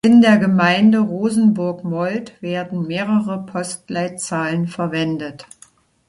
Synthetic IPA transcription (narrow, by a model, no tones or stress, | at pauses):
ʔɪndeːɐɡəmaɪndəʁoːzn̩bʊɐkmɔltv̥eːɐdn̩meːʁəʁəpʰɔstlaɪt͡saːlənfɛɐvɛndət